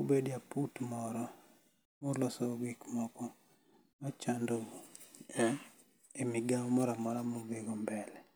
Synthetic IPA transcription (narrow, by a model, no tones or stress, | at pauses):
obedjaputmɔɾɔ | molɔsɔɡikmɔkɔ | mat͡ʃandoɛ | emiɡammɔɾamɔɾamobeɡombɛlɛ